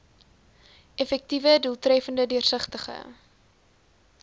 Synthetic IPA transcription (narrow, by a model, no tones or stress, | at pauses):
ɛfɛk̚tivədulˠtrɛfəndədyərsəχtəχə̰